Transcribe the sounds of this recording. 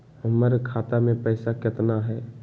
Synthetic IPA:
ʊməɾkʰaːt̪amẽpɛːsakɪt̪naɦɛː

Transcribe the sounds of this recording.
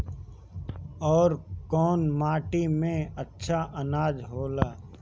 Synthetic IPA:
ɔːɾkɔːnmaːʈimẽɐtːʃʰaʔɐnaːd͡ʒɦoːlaː

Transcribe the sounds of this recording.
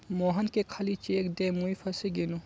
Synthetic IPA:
moːɦɐnkekʰɐlit͡ʃekd̪emuipʰɐsiɡinu

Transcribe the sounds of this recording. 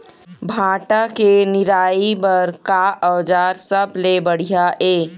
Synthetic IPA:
bʱaːʈakenɪɾaːibɐɾkaʔəʋd͡ʒaːɾsɐblebɐɽ̤ijaʔeː

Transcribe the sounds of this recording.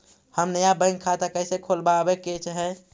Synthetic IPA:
həmnəjabə̃ɪ̃ŋɡkʰat̪akəɪsekʰolbaəbeket͡ʃɦɛ̃

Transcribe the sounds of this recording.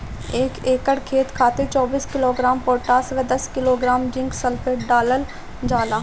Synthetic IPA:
eːkeːkəɽkʰeːt̪kʰaːt̪et͡ʃɔːbiːskɪloːɡɾaːmpoːʈaːsʋed̪əskɪloːɡɾaːmd͡ʒɪ̃ŋksəlpʰeːʈɖaːləl | d͡ʒaːlaː

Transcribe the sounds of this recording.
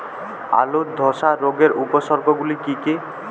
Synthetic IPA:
a̰lud̪ʱɔʃaɾoɡeɾupoʃɔɾɡʱɔɡulikike

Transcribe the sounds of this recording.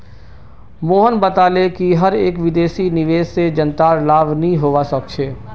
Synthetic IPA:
moːɦənbət̪aːlekiɦɐɾeːkʋɪd̪eːʃinɪʋeːd͡ʒsed͡ʒə̃nt̪aːɾlaːʋnəĩɦoːʋasɐk̚t͡ʃʰeː

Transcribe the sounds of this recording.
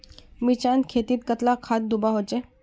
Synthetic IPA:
mit͡ɕankʰet̪iːt̪̚kət̪lakʰat̪̚d̪ubaɦot͡ʃe

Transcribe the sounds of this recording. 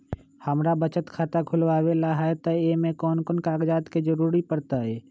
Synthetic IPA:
həmɾabət͡ʃət̪kʰaːt̪akʰʊlwaːwelaɦɛt̪ɔemẽkɔːnkɔːnkaːɡd͡ʒaːt̪ked͡ʒəɾuːɾipəɾt̪aɦɛː

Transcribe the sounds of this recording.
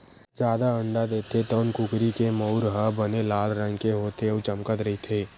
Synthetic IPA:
d͡ʒjaːd̪aə̃ɳɖad̪eːt̪ʰet̪ɔːnkʊkɾikemɔʊɾɦəbənelaːlɾə̃ŋkeɦoːt̪eɔːt͡ʃəmkət̪ɾəɦit̪ʰeː

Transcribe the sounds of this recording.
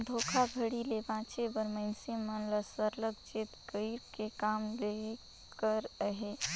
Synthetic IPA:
d̪ʱoːkʰabʱəɽilebãːt͡ʃebəɾməɪnsemənləsəɾləɡ̚t͡ʃet̪kəiɾkekaːmle | kəɾəɦe

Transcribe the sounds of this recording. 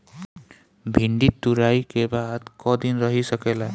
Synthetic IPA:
bʱiɳɖit̪ːuɾajkebad̪kʌd̪inɾʌɦisʌkela

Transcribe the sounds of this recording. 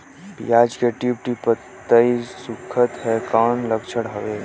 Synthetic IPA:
pijaːd͡ʒkeʈip̚ʈipə | t̪ːəisukʰːət̪ɦɛkanləkt͡ʃʰəɽɦəʋe

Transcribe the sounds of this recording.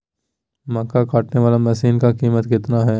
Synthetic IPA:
mɐkːakaːʈneʋaːlamɛːsiːnkakiːmət̪kɪt̪naɦɛː

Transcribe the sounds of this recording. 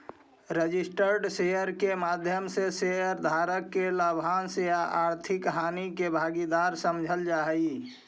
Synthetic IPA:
ɾəd͡ʒisʈəɾɖsejəɾkemad̪ʱjəmsesejəɾd̪ʱaːɾəkːelabʱaːnsejaʔaːɾt̪ʰɪkɦaːnikebʱaɡid̪aɾsəmd͡ʒʱəld͡ʒaːɦəi

